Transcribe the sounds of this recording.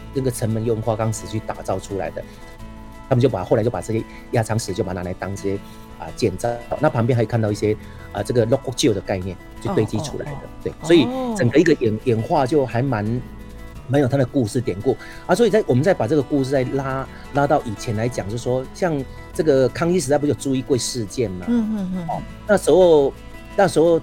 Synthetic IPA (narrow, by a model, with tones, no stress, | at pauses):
nə˥˩ɡə˩t͡sʰə˧˥˦nmə˧˦njŋxwa˥˧kɑ˥ŋsɹ̩˨˩t͡ɕʰy˥˩t̪a˨˩t͡sɑ˥˩ʊʈ͡ʂʰu˥la̰˧˥ɪd̪ə̰˧ | t̪ʰmə˨t͡ɕo˥˩ʊpa˨˩xa˧˥t͡ɕjo˥˩pa˨˩t͡sɤ˥˩ɕjɛ˥ | ja˥˩t͡sʰɑ˧˥ŋʂ̩˧˥˦t͡ɕjpa˧˥na˧˥la˧˥ɪt̪ɑ˥ŋi˥˩ɕjɛ˥ | ə̰˨t͡ɕjɛ˨˩nt͡sɑ˥˧˩ʊna˥˩pʰɑ˧ŋp̬jɛ˥˧nxkʰa˥˧nt̪ɑ˧i˥˩ɕjɛ˥ | ə˨˩t͡sɤ˥˩ɡə˩lɔ˥k̚ɔ˥t͡ɕjo˥˩ʊd̪ə˩ka˥˧ɪnjɛ˥˨nt͡ɕʰy˥˧t̪we˥˧ɪt͡ɕi˥ʈ͡ʂʰṵ˥la̰˧˦ɪd̪ə̰˧t̪we˥˩ɪswɔ˧˥i˨˩t͡sə˨˩ŋɡə˦i˥ɡə˨ɛ˨˩njɛ˨˩nxwa˥˧t͡ɕjo˥˩ʊxa˧˥ɪma˧˥n | ma˧˥njo˨˩ʊtʰa˥d̪ə˨ku˥˧ʂɻ̩˥˩t̪jɛ˨˩nku˥˩ | a˧˥swɔ˧˥i˨˩t͡sa˥˩ɪwɔ˨˩mə˦nt͡sa˥˩ɪpa˨˩t͡sɤ˥˩ɡə˩ku˥˧ʂ̩˥˧t͡sa˥˩ɪla˥ | la˥t̪ɑ˥˩ʊʔi˨˩t͡ɕʰjɛ˧˥nla˧˦ɪt͡ɕjɑ˨˩ŋʂɻ̩˥˩˨ʂwɔ˥ɕjɑ˥˧ŋ | ʈ͡ʂɤ˥˩ɡə˨kʰɑ˥ŋi˥ʂ̬̩˧˥t͡spu˧˥jo˨˩ʈ͡ʂu˥˧i˥˧kwe˥˧ɪʂɻ̩˥˧t͡ɕjɛ˥˩nma˨˩ɔ˨˩ | na˥˩ʂɻ̩˧˥xo˥˧ʊ | na˥˩ʂɻ̩˧˥xo˥˧ʊ